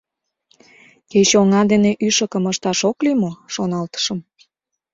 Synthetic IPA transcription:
ket͡ɕoŋɑd̪eneʔyʃə̆kə̆məʃt̪ɑʃoklimoʃonɑlt̪ə̥ʃə̆m

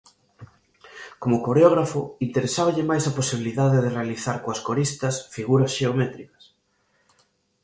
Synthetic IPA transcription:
komʊkoɾeoɣ̞ɾafʊint̪eɾesaβɐʎemajsɐposiβ̞iliðaðeðerealiθaɾkoɐskoɾist̪ɐsfiɣuɾɐsʃeomɛt̪ɾikɐ̥s

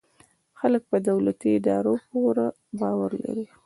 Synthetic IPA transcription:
xalək̚pəd̪awlat̪iɪd̪ɑɾopoɾa | bɑwaɾla̰ɾi

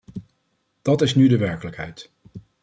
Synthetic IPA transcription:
d̥ɑtɪsnydəʋɛɹkələkɦɛ̰jt

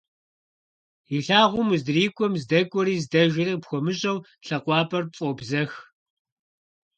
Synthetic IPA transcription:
iɬaːʁʷʊmzdriːkʷʼɔmzdɐkʷʼɔɾiːzdɐʒɪriːpxʷɔmɨɕʼɐw | ɬɐqʷɑːpʼɐrpt͡sʼɔbzɐx

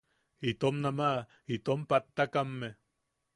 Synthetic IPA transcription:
it̪omnamaʔ | it̪ompat̪ːakamːe

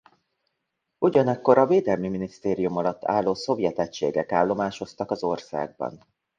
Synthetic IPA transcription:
uɟɒnɒkːo̞ɾɒveːd̪ɛlmiminist̪eːɾijumɒlɒt̪ʰːa̰ːlːoːso̞vjɛt̪ɛct͡ʃːḛːɡɛkaːlːo̞maːʃo̞st̪ɒkɒzo̞rsa̰ːɡ̚bɒ̰n

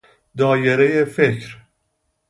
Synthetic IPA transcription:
d̪ɒːjeɾejefecɾ

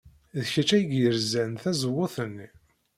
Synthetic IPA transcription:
ðçət͡ʃæjəɡjəɾzænθæzwːʊθənː

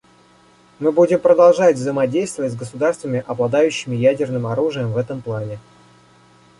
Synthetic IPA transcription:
mɨbudʲɪmpɾəd̪ɐlˠʐatʲvzəjɪmɐdʲejst̪vəvətʲzɡəsʊd̪arst̪vəmʲɪʔɐblˠɐd̪ajʉɕːɪmʲɪjædʲɪrnɨmɐɾuʐɨjəmvɛt̪əmplˠanʲɪ

